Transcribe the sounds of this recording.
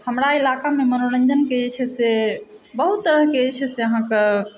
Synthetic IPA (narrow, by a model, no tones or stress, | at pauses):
həmɾailakamemənoɾə̃ɲd͡ʒənket͡ʃʰɛsebəɦut̪ːəɾəɦket͡ʃʰɛseəɦãke